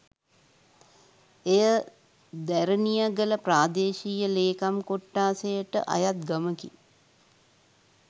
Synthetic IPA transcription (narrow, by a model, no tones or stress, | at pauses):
ejə | d̪æɾənijəɡələpɾaːd̪eːʃiːjəleːkamkoʈːaːsejəʈə̰ʔa̰jat̪̚ɡəməki